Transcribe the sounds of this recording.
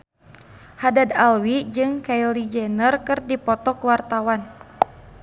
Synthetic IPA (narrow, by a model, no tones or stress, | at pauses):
hadad̪alwid͡ʒɨŋkailid͡ʒɛnərkɨrdipɔt̪ɔkwart̪awan